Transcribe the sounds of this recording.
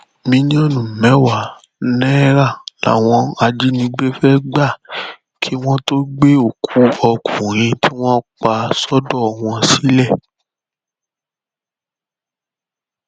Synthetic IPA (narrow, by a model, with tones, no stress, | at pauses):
mĩ˧ñ˦ɔ̃˦˨nũ˨mɛ̃˨˦wa˦˨˦ | nɛ̃˦ɾa˦˨la̰˨w̃ɔ̃˧a˧d͡ʒi˦nĩ˧˦ɡ͡be˦fɛ˦ɡ͡ba˦˨ | kʰi˦w̃ɔ̃˦to˦ɡ͡be˦o˦˨kʰu˨˦ɔ˧kʰũ˨ɾ̃ĩ˧ti˦w̃ɔ̃˦k͡pa˧sɔ˦dɔ˦˨w̃ɔ̃˧si˨˦lɛ˦˨